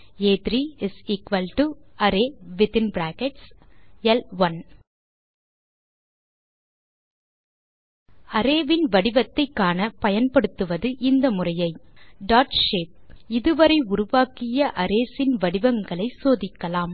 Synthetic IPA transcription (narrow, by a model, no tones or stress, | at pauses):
eːt̪ɾiɪsikʋɐlʈuɐɾeːʋɪt̪ɪnbɾaːkɛʈsɛlʋɐn | ɐɾeːʋɪnʋɐɽɪʋɐt̪ːɐɪkːaːnɐpɐjɐnpɐɽɯt̪ːɯʋɐðɯʔɪnd̪ɐmʊrɐjɐɪɖaːʈʃeːp̚ɪðɯʋɐɾɐɪʊɾʊʋaːkɪjɐʔɐɾeːsɪnʋɐɽɪʋɐŋɡɐɭɐɪsoːðɪkːɐlaːm